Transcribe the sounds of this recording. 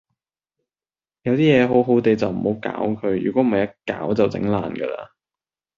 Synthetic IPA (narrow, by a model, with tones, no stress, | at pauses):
jɐ˨˧wt̪iː˥jɛː˨˧ɦo˨˥wɦo˨˥wt̪e˨˧jt͡sɐ˨wm̩˨˩ho˨˥wka̰ː˨˥wkʰɵ˨˧ɥjy̰ː˨˩kʷɔ˨˥m̩˨ɐ˨jɐ˥t̚ka̰ː˨˥wt͡sɐ˨wt͡sɪ̰˨˧˥ŋlaː˨nɡə̰˧la̰ː˧